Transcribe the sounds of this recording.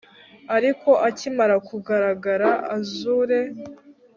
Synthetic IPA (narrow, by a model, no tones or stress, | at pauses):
aɾiko̞ʔacimaɾakuɡaɾaɡaɾaʔazuɾe̞